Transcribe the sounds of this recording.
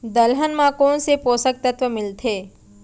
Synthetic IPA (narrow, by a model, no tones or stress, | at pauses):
d̪ɐlɦənmãkõnsepoːsək̚t̪ət̪wʋəmɪlt̪ʰeː